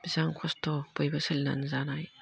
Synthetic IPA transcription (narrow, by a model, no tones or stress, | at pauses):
b̥izaŋkʰɔstɔbojbɯsɯlna̰nzanaj